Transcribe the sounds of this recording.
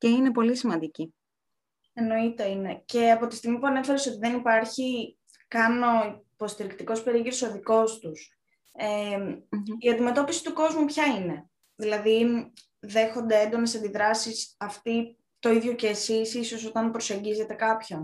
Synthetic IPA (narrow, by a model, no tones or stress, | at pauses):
ce̞ine̞po̞lisimɐnd̪ici | eno̞it̪e̞ine̞ce̞ɐpo̞t̪ist̪iɣmipuɐne̞feɾe̞so̞t̪iðe̞nipɐɾçi | kɐno̞ipo̞st̪iɾikt̪iko̞spe̞ɾiɣiɾoso̞ðiko̞st̪us | e | iɐnd̪ime̞t̪o̞pisi̥t̪uko̞zmupçɐine̞ | ðilɐði | ðe̞xo̞nd̪e̞end̪o̞ne̞sɐnd̪iðɾɐsisɐft̪i | t̪o̞iðʝo̞ce̞ːsisiso̞so̞t̪ɐnpɾo̞se̞ɲɟize̞t̪e̞kɐpço̞n